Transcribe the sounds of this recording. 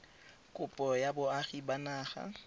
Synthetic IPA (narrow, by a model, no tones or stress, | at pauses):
kʼʊpʼɔjabʊaχibanaːχa̰